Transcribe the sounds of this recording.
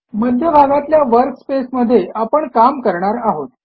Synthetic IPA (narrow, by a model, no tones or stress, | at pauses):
məd̪ʱjəbʱaɡat̪ljaʋəɾkspesməd̪ʱːjeapəɳkamkəɾɳaɾaɦot̪̚